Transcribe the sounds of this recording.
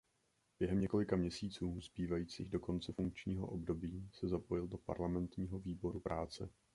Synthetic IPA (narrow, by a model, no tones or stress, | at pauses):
b̥jɛɦɛmɲɛko̞lɪkamɲɛsiːt͡suːzbiːvajiːt͡siːɣdo̞ko̞nt͡sɛfuŋk̚t͡ʃɲiːɦo̞̰ʔo̞bdo̞biːsɛzapo̞jɪldo̞pa̰ɾlamɛnt̪ɲiːɦo̞viːbo̞ɾupɾʔaːt͡sɛ̰